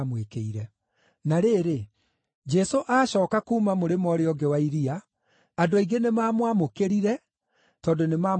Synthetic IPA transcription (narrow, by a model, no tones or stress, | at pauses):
mwekeiɾɛ | naɾeːɾe | d͡ʒɛsoʔaɕɔːkakuːmamoɾemɔɾeɔɡewaiɾiaː | doaiɡenemaːmwamokeɾiɾɛ | tɔːndonemaː